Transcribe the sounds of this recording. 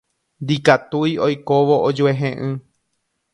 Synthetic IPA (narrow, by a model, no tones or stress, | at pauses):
nd̪ikat̪ujojkoʋo̞ʔod͡ʒueɦẽʔɨ̃